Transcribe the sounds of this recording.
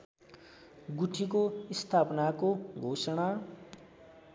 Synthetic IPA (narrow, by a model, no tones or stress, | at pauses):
ɡuʈʰikoist̪ʰapnakoɡʱosʌɽ̃a